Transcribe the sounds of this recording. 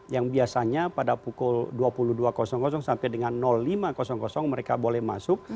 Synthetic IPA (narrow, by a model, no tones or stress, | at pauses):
jaŋbiasaɲapadapukʊlduapuluhduakɔsɔŋkɔs̬ɔŋsampɛjdəŋanːɔlːimakɔsɔŋkɔsɔŋməɾekabolɛhma̰sʊk̚